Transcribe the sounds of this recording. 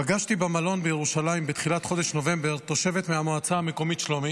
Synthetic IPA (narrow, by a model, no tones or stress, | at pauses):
paɡaʃt̪ibemalo̞nbejeʁuʃalaimbet̪χilat̪χo̞d̪eʃno̞ve̞mbeʁt̪o̞ʃe̞vet̪meamoat͡saame̞ko̞mit̪ʃlomi